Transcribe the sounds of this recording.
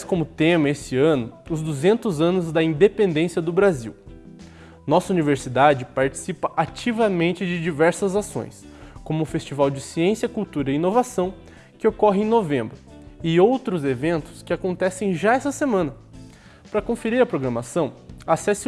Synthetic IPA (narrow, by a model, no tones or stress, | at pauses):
skõmʊt̪ẽmɐesɪɐ̃nʊʊzd̪uzẽnt̪ʊzɐ̃nʊzd̪ɐĩnd̪epẽnd̪ẽsiɐd̪ʊbɾazḭw | nɔsɐuniveɾsid̪ad͡ʒɪpaɾt͡ʃi̥sipɐʔat͡ʃivɐmẽnt͡ʃɪd͡ʒɪd͡ʒivɛɾsɐzasõ̰j̃s | kõmʊfest͡ʃivawd͡ʒɪsiẽsjɐkuwt̪uɾɐiinovasɐ̃w̃ | kɪokɔɦɪ̃ẽj̃novẽmbɾʊ | ɪowt̪ɾʊzevẽnt̪ʊ̥skɪakõnt̪ɛsẽj̃ʒaɛsɐsemɐ̃nɐ | pɾɐkõfeɾiɾɐpɾoɡɾɐmasɐ̃w̃asɛsɪ